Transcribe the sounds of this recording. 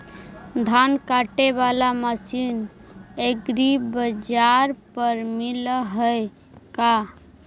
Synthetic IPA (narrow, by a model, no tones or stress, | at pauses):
d̪ʱankaʈebalaməsineɡɾibəd͡ʒaɾpəɾmilɦəj | ka